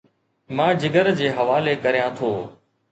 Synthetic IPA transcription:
mãːd͡ʑɪɡəɾd͡ʑeːɦɐʋaːlekəɾijãːt̪ʰoː

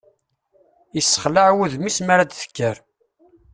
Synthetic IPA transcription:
əsːə̥χləʕwuðmismaɾad̪θə̥kːəɾ

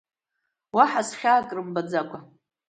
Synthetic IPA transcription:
waħasχʲaːkʼrɨmbad͡zakʷʼa

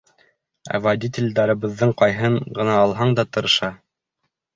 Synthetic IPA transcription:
æ̰vad̪ʲit̪ʲelʲd̪ɑɾɤ̆βɤ̆ðːɤɴqɑjɦɤɴɢɤ̆nɑːlˠɦɑɴd̪ɑt̪ɤ̆ɾɤ̆ʃɑ

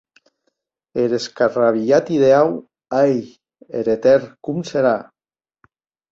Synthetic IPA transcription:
eɾeskaraβ̞iat̪iðeaw | aj | ḛɾet̪eɾkumseɾa

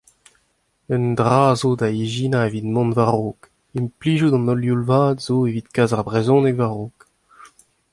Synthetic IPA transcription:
œndʁaːzoːdaiʒinaevid̪mɔ̃nvaʁoːk | impliːʒud̪ɑ̃nɔljulvaːdzoːeviːt̪kaːzaʁbʁezɔ̃nɛkvaʁoːk

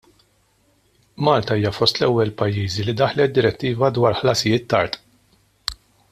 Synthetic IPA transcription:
mɐːlt̪ɐiːjɐfɔst̪lɛwːɛlpɐjːiːzilid̪ɐħlɛt̪̚d̪ɪɾɛt̪ːiːvɐd̪wɐːɾħlɐsɪjɪːt̪ːɐɾt̪ʼ

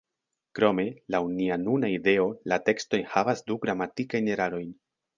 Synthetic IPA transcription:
kɾo̞me̞lawnianunaide̞o̞late̞ksto̞jnhavasduɡɾamatikajne̞ɾaɾo̞jn

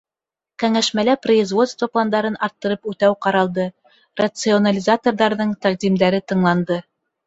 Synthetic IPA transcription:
kæŋæʃmælæproizvo̞t̪st̪vəplˠand̪ɑɾɤnɑɾt̪ːɤ̆ɾɤpʉt̪æwqɑɾɑlˠd̪ɤ | rɐt̪sɨonalʲizat̪orðɑɾðɤɴt̪æqd̪imd̪æɾɘt̪ɤ̆ɴlˠɑnd̪ɤ

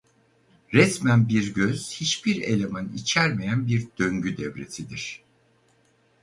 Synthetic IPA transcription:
ɾɛsmænbiɾɟøz̥hit͡ʃbiɾe̞̰lʲemænḭt͡ʃʰæɾmejænbiɾd̪̥ø̞ŋɟyd̪ɛvɾe̞̰sʰid̪iɾ̥

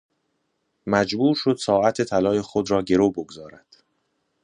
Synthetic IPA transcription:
mæd͡ʒbuːɾʃo̞d̪̥sɒːʔæt̪ʰe̞t̪ʰælɒːjexod̪ɾɒːɟe̞ɾoboɡzɒːɾæd̪̥

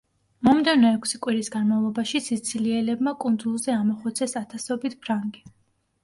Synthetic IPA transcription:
mɔmd̪ɛvnɔɛkʰsikʼwiɾisɡanmavlˠɔbaʃisit̪sʰiliɛlɛbmakʼund̪zulˠzɛamɔχɔt̪sʰɛsat̪ʰasɔbit̪̚ʰpʰɾaŋɡi

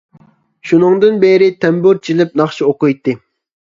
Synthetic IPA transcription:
ʃunɨŋd̪ɨnbeɾɪt̪ʰɛmbuɾt͡ʃʰilɪp̚nɑχʃioqʊjt̪ːɨ

